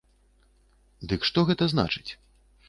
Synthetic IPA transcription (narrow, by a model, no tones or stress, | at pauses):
d̪ɨkʂt̪ɔɣɛt̪ɐzna̰t͡ʂɨ̥t͡sʲ